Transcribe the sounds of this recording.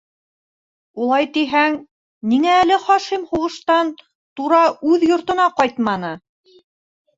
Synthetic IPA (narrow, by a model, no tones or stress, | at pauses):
ulˠɑjt̪iɦæŋ | niŋæːlɘχɑʃimhuʁɤ̆ʃt̪ɑn | t̪uɾɑʉðjŏɾt̪ɤ̆nɑqɑjt̪mɑnɤ